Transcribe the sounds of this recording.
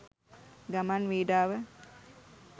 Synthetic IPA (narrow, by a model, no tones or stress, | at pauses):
ɡamanʋiːɖaːʋə